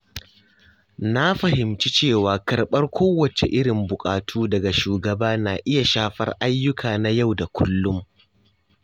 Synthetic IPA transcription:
na˦ɸɐ˨hɪ˨mt͡ʃi˦t͡ʃeː˦˨waː˨kɐ˨rɓɐ˦rkʷʰoː˦wɐ˨t͡ʃḛ˨ʔɪ˦ɽɪ˨mbʊ˨kʼaː˨tʰuː˦dɐ˨ɡa˨ʃuː˨ɡɐ˨baː˦naː˨ʔɪ˦ja˨ʃaː˦ɸɐ̰˦rʔa˦jːʊ˦kʰaː˨na˦ja˦˨wda˨kʷʰʊ˦lːʊ˦m

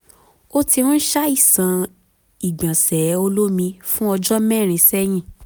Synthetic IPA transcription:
o˦ti˧w̃ã˦ʃa˦i˦˨sã˨˦ | i˨ɡ͡bã˨sɛ˨˦o˧lo˦mĩ˧fũ˦ɔ˧d͡ʒɔ˦mɛ̃˦˨ɾ̃ĩ˨˧sɛ˦j̃ĩ˦˨

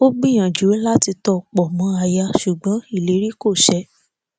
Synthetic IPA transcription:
o˦ɡ͡bĩ˦˨j̃ã˨d͡ʒu˨˦la˦ti˧tɔ˧˨k͡pɔ˨mɔ̃˨˦a˧ja˧ʃu˨ɡ͡bɔ̃˨˦i˦˨le˨˦ɾi˦ko˦˨ʃɛ˧˦

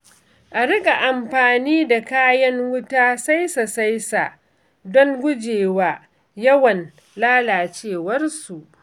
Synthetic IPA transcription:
ʔa˨ɾɪ˦kʼa˨ʔa˨mɸaː˨niː˦da˨kaː˦jɐ˦ŋwʊ˦taː˦sa˦jsa˨sa˦jsa̰˨ʔ | dɔ˦ŋɡʷʊ˦d͡ʒeː˨waː˦ | jɐ˦wɐ˨n | laː˦laː˨t͡ʃeː˦˨wɐ˦rsu˨ʔ

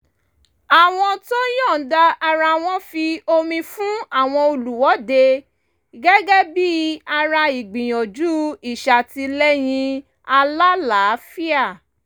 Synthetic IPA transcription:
a˨w̃ɔ̃˧to˦j̃ɔ̃˦˨da˧a˧ɾa˧w̃ɔ̃˦fi˧o˧mĩ˧fũ˦a˦˨w̃ɔ̃˧o˧lu˨wɔ˨˦de˧ | ɡɛ˦ɡɛ˦bi˦a˧ɾa˧i˨ɡ͡bĩ˨j̃ɔ̃˨d͡ʒu˦i˦˨ʃa˨ti˧lɛ˦j̃ĩ˧ | a˧la˦la˨˦fi˦a˦˨

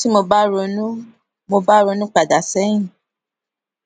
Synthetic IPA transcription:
ti˦mo˧ba˦ɾo˧nũ˦ | mo˧ba˦ɾo˧nũ˦k͡pa˨da˨sɛ˨˦nĩ˦˨

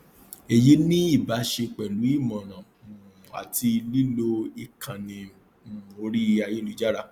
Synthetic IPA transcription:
e˨je˨˦nĩ˦i˦˨ba˨˦ʃe˧k͡pɛ˨lu˨˦i˦˨mɔ̃˨nã˨ | a̰˨ti˧li˦lo˦i˦˨kʰã˨nĩ˧˦˨ | o˧˦ɾi˦˧a˧je˦lu˨˦d͡ʒa˦ɾa˦

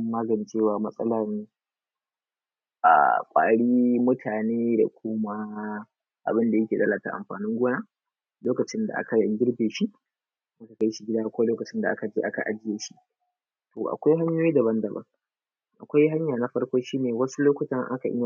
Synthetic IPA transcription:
mmːaː˦ɡɐ˨n˦t͡ʃeː˦˨waː˨mɐ˦sʼɐ̰˦laː˨ne˦ | ʔa̰˨kʷʼa̰ː˨ɽiː˦mʊ˦tʰaː˨neː˦da̰˨kʷʰʊ˦ma˦ | ʔa̰˨bɪ˦nda˨jɐ˦kʲeː˨ɗɐ˦la˨ta̰˦ʔa̰˨mɸa̰ː˨nɪ˦ŋɡʷoː˦naː˦ | loː˦kɐ˨t͡ʃɪ˦nda̰˨ʔa̰˦ka˨ja˨ɡʲɪ˦ɾbeː˨ʃi˦ʔ | ʔa˦ka˨ka˦jʃi˨ɡʲɪ˦daː˦kʷo˦loː˦kɐ˨t͡ʃɪ˦nda˨ʔa˦ka˨d͡ʒeː˦ʔa˦ka̰˨ʔa˨d͡ʒɪ˦jeː˨˦ʃi̥˦ | toː˨ʔa̰˨kʷa˦jɦa˦ɲjoː˦jiː˦dɐ˨bɐ˦ndɐ˨bɐ̰˦ŋ | ʔa̰˨kʷa˦jɦa˦ɲjaː˨na˦ɸɐ˦rkʷoː˦ʃiː˦neː˨wɐ˦su˦loː˦kʷʊ˨tɐ˦ŋʔa̰˦ka˨ʔɪ˦ja˨

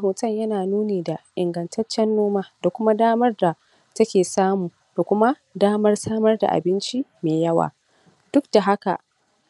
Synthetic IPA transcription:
hoː˨tɐ˦ɲjɐ˦naː˨nuː˦neː˨da˨ʔɪ˨ŋɡɐ˨ntʰɐ˦t͡ʃːɛ˦nːoː˦maː˦da˨kʷʊ˦ma˦daː˦mɐ˦rda˨ | tɐ˦kʲeː˨saː˦muː˨ | d̥a˨kʷʊ˦ma˦ | daː˦mɐ˦rsaː˦mɐ˦rda̰˨ʔa̰˨bɪ˦nt͡ʃi˦meː˨jɐ˦wa̰ː˨ | d̥ʊ˦k̚d̥a˨ɦa˦ka˨ʔ

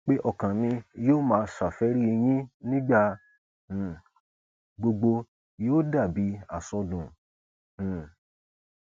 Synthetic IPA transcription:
k͡pe˦ʔɔ˦˨kã˨nĩ˧joː˦˨mãː˨˦˧ʃa˨fɛ˨˦ɾi˦˧j̃ĩ˦nĩ˦ɡ͡bã˦˨ | ɡ͡bo˧ɡ͡bo˧ | joː˦da˦˨bi˨˦a̰˦˨sɔ˧dũ˨ | ũ˨

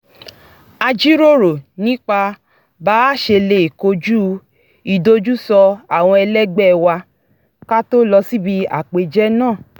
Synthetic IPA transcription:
a˧d͡ʒi˦ɾo˦ɾo˨nĩ˦k͡pa˧ | baː˦ʃe˧le˧˨ko˧d͡ʒu˦ | i˨do˧d͡ʒu˦sɔ˧a˨w̃ɔ̃˧ɛ˧lɛ˦ɡ͡bɛ˦˨wa˧ | ka˦to˦lɔ˧si˦bi˧a̰˨k͡pe˧d͡ʒɛ˦nãː˦˨

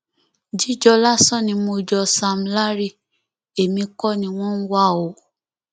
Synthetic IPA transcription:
d͡ʒi˦d͡ʒɔ˧la˦˨sɔ̃˦˨nĩ˧mo˧˨d͡ʒɔ˧sa˧m̩˨˧la˦ɾi˦˧˨ | e˨mĩ˧kɔ˦˨nĩ˧w̃ɔ̃˦n̩˦wa˦˨o˨

